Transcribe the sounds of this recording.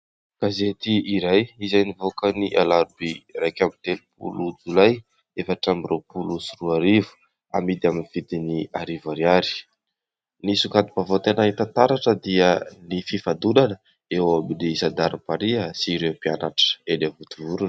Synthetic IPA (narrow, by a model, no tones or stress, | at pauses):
kazet̪iiɾajizajnivokəniʔalaɾbirajkʲamit̪elupʰṵlud͡zulaj | efaʈ͡ʂamirewpulusuruaɾivu̥ | amid̪aminivid̪iniaɾivaɾiaɾi̥ | nisukad̪i̥pavot̪enait̪ant̪aɾaʈ͡ʂəd̪iənififad̪ulanə | ewaminisad̪aɾipaɾiəsiɾepianaʈ͡ʂə̥elevut̪uvuɾunə̥